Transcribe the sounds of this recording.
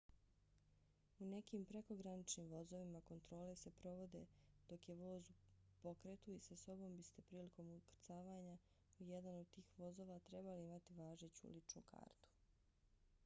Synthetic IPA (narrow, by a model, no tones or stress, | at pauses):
une̞kiːmpɾe̞ko̞ɡɾanit͡ʃniːmʋo̞zo̞ʋimako̞nt̪ɾo̞ːle̞se̞pɾo̞ʋo̞d̪e̞̰d̪̥o̞kje̞ʋo̞ːzupo̞kɾet̪uisaso̞bo̞mbist̪e̞pɾiːliko̞mukɾt̪saːʋaːɲa | ijed̪anod̪̚t̪iːxʋo̞zo̞ːʋat̪ɾe̞baliimat̪iʋaːʒet͡ɕṵlit͡ʃnṵkʰa̰ːɾt̪u̥